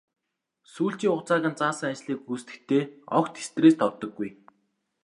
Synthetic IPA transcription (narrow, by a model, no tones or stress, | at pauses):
suːɬt͡ɕiːŋʊχt͡saːʁʲə̆nt͡saːsə̆ŋat͡ɕɮiːkuːst̪ɘ̥̆kt̪ʰeːɔ̰kt̪ʰe̥st̪reːst̪ʰɔt̪ːɞ̆ɡːuj